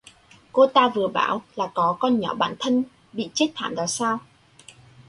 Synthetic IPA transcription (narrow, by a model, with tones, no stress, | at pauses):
ko˧t̪aː˧vɨ˨˩əɓa̰ː˧˩wlaː˨˩kɔ˨˦kɔ˧nɲɔ̰˧˥ɓa̰ː˧˩nt̪ʰə˧n | ɓḭ˧˨t͡ɕe˦˥t̚t̪ʰa̰ː˧˨mvaː˨˩wsaː˧w